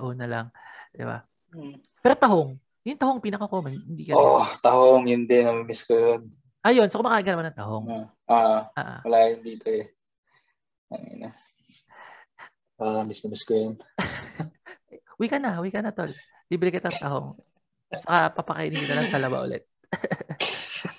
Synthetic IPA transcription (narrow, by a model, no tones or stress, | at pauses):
ʔoːnɐlɐŋd̪̥ɪ̰ba̰ | pɛːɾo̞t̪ɐɦo̞ŋ | jʊŋt̪ɐhoŋpiːnɐkɐkoːmɐnhɪnd̪iːkɐot̪ɐhoŋjʊnd̪ɛnɐmɐmɪskojon | ʔɐjo̞nsokomɐkaːʔɪŋkɐnɐmanɐŋt̪ɐɦoŋ | ʔaːʔa̰ːʔo̰wɐlaːjʊnd̪iːt̪oɛ | ɐŋḭna | aʔɐmɪst̪ɐmɪskjon | wikɐnɐwikɐnɐt̪ol | liːbɾɪkɪt̪ɐŋt̪ɐɦo̞ŋ | sɐkapɐpɐkɐ̰ʔɪniɡ̪inɐlɐŋt̪ɐlɐba̰ʔʊ̰lɛ̰t̪̚